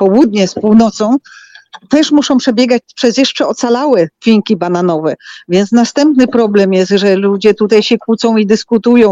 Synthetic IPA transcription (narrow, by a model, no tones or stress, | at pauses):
pɔwud̪̚ɲɛspuwnɔt̪sɔ̃w̃t̪ɛʂmuʂɔ̃w̃pʂɛbʲjɛɡat͡ɕpʂɛzjɛʂt͡ʂɛɔt̪salawɛfʲiɲkʲibananɔvɛvʲjɛnt̪snast̪ɛmpnɘpɾɔblɛmjɛst̪ʐɛlud͡ʑɛt̪ut̪ajɕɛkwut̪sɔ̃w̃id̪ɘskut̪ujɔ̃w̃